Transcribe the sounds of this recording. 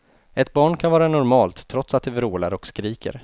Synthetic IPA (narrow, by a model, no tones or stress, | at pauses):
ʔɛt̪bɑːɳkʰanvɑːɾanʊɾmɑːlt̪ʰːɾɔt̪sat̪̚d̪ɛvɾuːla̰ɾɔkskɾiːkə̰ɾ